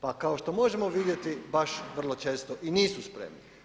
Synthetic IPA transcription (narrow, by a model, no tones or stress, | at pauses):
pakaoʃt̪o̞mo̞ʒemoʋid̪je̞t̪ibaʃʋr̩lˠot͡ʃe̞ːst̪oʔiniːsuspɾḛmni